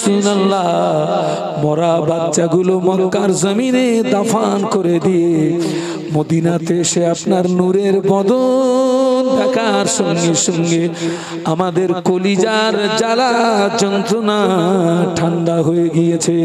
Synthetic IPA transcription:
sunalːa | mɔɾabadʃaɡulomɔːaɾzamined̪afankoɾed̪ije | mod̪inat̪eʃeapnaɾnuɾeɾbɔd̪o | nɖ̪akʰaɾʃɔŋɡeʃɔŋɡe | amad̪eɾkolid͡ʑaɾd͡ʑalad͡ʑɔnt̪ɾona | ʈʰaɳɖaɦojeɡijet͡ɕʰe

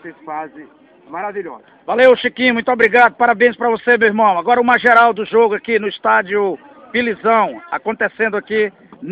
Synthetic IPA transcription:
sesfazɪ | maɾaviʎɔ̰zɐvalewʃikĩmũj̃t̪ʊobɾiɡad̪ʊpaɾabẽj̃spɾɐvosemewiɾmɐ̃w̃aɡɔɾɐũmɐʒeɾawd̪ʊʒoɡʊakinʊist̪ad͡ʒiʊ | pilizɐ̃w̃akõt̪esẽnd̪ʊaki | n

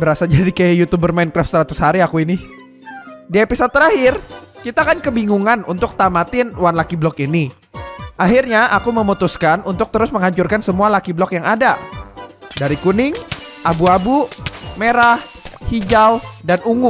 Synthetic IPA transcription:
bəɾasad͡ʒadikajajut̪ubərmaɪnkɾaft̪səɾat̪ʊ̥shaɾiakuini | diapisat̪ːəɾaɦɪrkit̪aːkankəbiŋuŋanunt̪ʊk̚t̪amat̪ɪnwanlakiblɔkini | ʔaɦirɲaʔakuməmut̪uskanunt̪ʊk̚t̪əɾʊsməŋɦaɲt͡ʃʊrkansəmualakiblɔkjaŋada | daɾikunɪŋ | ʔabuabumeɾah | hid͡ʒawdanuŋʊ

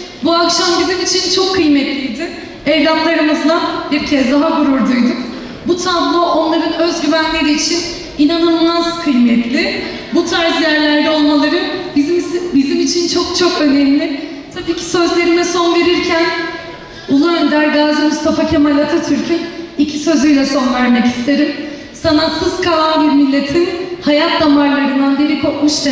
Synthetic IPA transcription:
buakʃambizinit͡ʃʰint͡ʃʰo̞kʰːɯjmɛt̪lʲijd̪ɪ | ɛvlʲanlˠaɾɯmɯzlˠabiɾcʰɛzd̪aɦaɡuɾuɾd̪ujd̪ʊk | but̪ʰablˠoʔo̞nlˠaɾɯnø̞zɟyvænlʲe̞ɾiːt͡ʃʰin | inananmaz̥kʰɯjmɛt̪lʲɪ | but̪ʰaɾzjæɾlʲæɾd̪ɛo̞lˠmalˠaɾɯnbizimbizimit͡ʃʰint͡ʃʰo̞k̚t͡ʃʰo̞kø̞nɛmlʲɪ | t̪ʰabiːcʰi̥sø̞zlʲe̞ɾimɛso̞nve̞ɾiɾcʰæn | ulˠuønd̪æɾɡaːzimust̪ʰafacʰemalʲat̪ʰɯt̪ʰyɾcʰynicʰisø̞zyjlʲɛso̞nvæɾmɛci̥st̪ʰe̞ɾim | sanasɯzkʰalanbiɾmilʲːe̞t̪ʰinhajat̪̚d̪amaɾlˠaɾɯnd̪anbiɾikʰo̞k̚muʃd̪ɛ

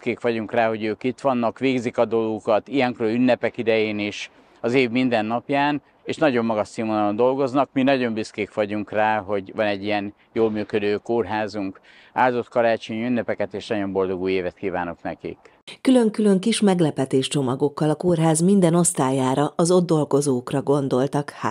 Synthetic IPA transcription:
keːkʋɒɟuŋkraːɦo̞ɟøːkit̪ʋɒnːɒkʋeːɡzikɒd̪o̞lɡukɒt̪ijɛŋkrøːlynːɛpɛkid̪ɛjeːniʃ | ɒzeːvmind̪ɛnːɒpjaːn | eːʃnɒɟo̞mːɒɡɒʃsimonond̪o̞lɡo̞znɒkminɒɟo̞mbiskeːkʋɒɟuŋkraːɦo̞ɟʋɒnɛɟːijɛn | joːlmyːkød̪øːkoːrɦaːzuŋk | a̰ːlzo̞t̪kɒɾaːt͡ʃoɲynːɛpɛkɛt̪eːʃnɒɟo̞mbo̞ld̪o̞ɡuːjeːvɛt̪̚kiːva̰ːno̞knɛ̰kḭk | kylø̞ŋkylø̞ŋkiʃmɛɡlɛpɛt̪eːʃt͡ʃo̞mɒɡokːɒlɒkorɦaːzmind̪ɛno̞st̪aːjaːɾɒɒzo̞d̪ːo̞lɡo̞zoːkrɒɡo̞nd̪o̞lt̪ɒkha̰ː

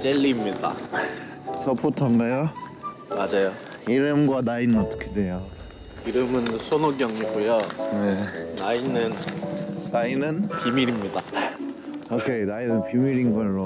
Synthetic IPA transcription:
t͡ɕeʎːimɲida̰ | sʰʌpʰotʰʌmdajo | mad͡ʑajo | iɾɯmɡwanainʌt͈ʌ̥kʰedejo | iɾɯmɯnsʰonoɡjʌŋiɡojonenainɯn | nainɯnpimiɾimɲida | okʰenainɯnpimiɾinɡʌɭːo

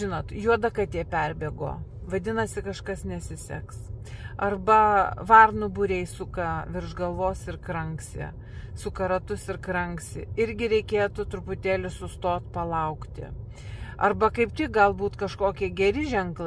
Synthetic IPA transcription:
ʒʲɪnoːt̪juɔd̪ɐkɐt̪ʲiɛpʲɛrʲbʲeːɡo̰ːʋɐd̪ʲɪnɐsʲɪkɐʃkɐsnʲɛsʲɪsʲɛ̰ksɐrbɐʋɐrnʊbʊɾʲɛɪsʊkɐʋʲɪɾʒɡɐlˠʋoːsɪrkɾɐŋksʲɪ̰ | sʊkɐɾɐt̪ʊsɪɾkɾɐŋksʲɪ̰ɪɾʲɡʲɪɾʲɛɪkʲeːt̪ʊt̪ɾʊpʊt̪ʲeːlʲʊsʊst̪oːt̪pɐlˠɐʊkt̪ʲɪ̰ | ɐrbɐkɐɪpt̪ʲɪk̚ɡɐlˠbuːt̪kɐʃkoːkʲiɛɡʲɛɾʲɪʒʲɛŋklˠɐ

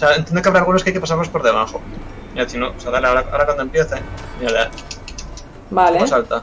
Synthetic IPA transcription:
oseaent̪jend̪okaβɾalɣ̞unokeajke̞pasaɾlospo̞ɾðe̞β̞axo | θinoseaðaleaoɾaa̰oɾakwand̪oempjeθeŋiaða | baleasalt̪a

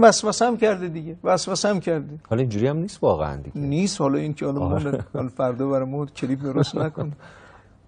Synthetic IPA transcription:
væsvæsæmcʰæɾd̪id̪iɟevæsvæsæmcʰæɾd̪ihɒlind͡ʒuɾihæmniːst̪vɒːɣḛæ̰nd̪ḭɡeniːst̪hɒlɒincʰehɒlɔmɔɒ̰lfæɾd̪ɒːbæɾejmɔcʰelib̚d̪oɾost̪nækon

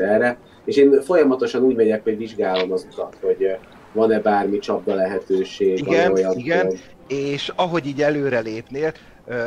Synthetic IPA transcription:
ɛːrɛ | eːʃeːnfo̞jɒmɒt̪o̞ʃɒnuːɟmɛɟɛkho̞ɟʋiʒɡaːlo̞mɒzut̪ɒt̪ho̞ɟ | vɒnɛbaːrmit͡ʃɒb̚d̪ɒlɛɦɛt̪øːʃeːɡɒɛojɒnɡɛn | eːʃɒɦo̞ɟiːɟɛløːɾɛleːpneːl

